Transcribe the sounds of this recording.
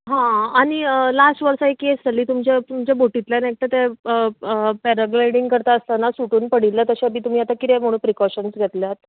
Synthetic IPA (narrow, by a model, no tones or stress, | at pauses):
ɦãaɽ̃iəlasʈʋəɾsaekːesd͡zəliːt̪umt͡ɕet̪umt͡ɕeboʈit̪lanek̚t̪ət̪eəpɛɾəɡɾajɽiŋɡkəɾt̪aəst̪anasuʈuːnpəɽ̤ilːət̪əɕaəbiːt̪um̤iːat̪akit̪ɛm̤oɽ̃uːnpɾikɔɕənsɡʱet̪ljat̪̚